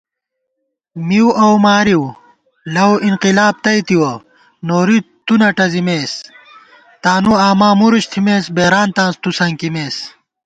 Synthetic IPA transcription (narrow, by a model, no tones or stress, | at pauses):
miwʔɐwmaːɾiw | lɐwinqilaːb̚t̪ɐjt̪iwɐ | noːɾit̪unɐʈɐzimeːs | t̪aːnuaːmaːmuɾuɕt̪ʰimeːsbeːɾaːnt̪ãːnst̪usɐŋkimeːs